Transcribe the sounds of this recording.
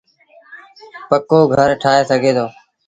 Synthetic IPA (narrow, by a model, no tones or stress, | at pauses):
pəkoːɡʱəɾʈʰaːɦeːsəɡʱeːt̪ʰoː